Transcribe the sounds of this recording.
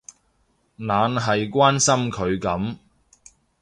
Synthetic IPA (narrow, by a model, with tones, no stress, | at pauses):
naː˨˧nɦɐ˨jkʷwaː˥nsɐ˥mkʰɵ˨˧ɥkɐ˨˥m